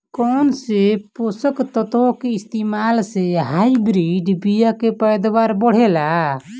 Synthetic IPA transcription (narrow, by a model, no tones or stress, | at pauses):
kɔnsepɔsəkt̪ɔt̪ɔkeist̪imalseɦajbɾiɖbijakepəjd̪waɾbɔɽ̤ɛla